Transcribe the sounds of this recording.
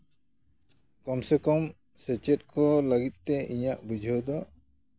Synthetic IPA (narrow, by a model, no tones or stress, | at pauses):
kɔmsɛkɔm | sɛt͡ʃɛt̪̚kɔlaɡit̪̚t̪ɛʔiɲaʔbud͡ʒʱɔwd̪ɔ